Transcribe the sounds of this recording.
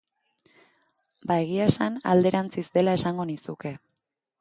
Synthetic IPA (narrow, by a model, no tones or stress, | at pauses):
bae̞ɣ̞iasana̰ld̪e̞ɾant͡sizd̪e̞lae̞saŋɡo̞nisuke̞